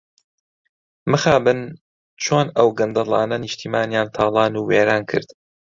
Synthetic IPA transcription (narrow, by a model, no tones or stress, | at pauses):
mɨxaːbɨn | t͡ʃʰoːnɐwɡɐnd̪ɐlˠɑ̰ːnɐnɪʃt̪ʰiːmaːnjaːnt̪ʰaːlˠɑːnuːweːɾaːnkʰɨ̰ɾd̪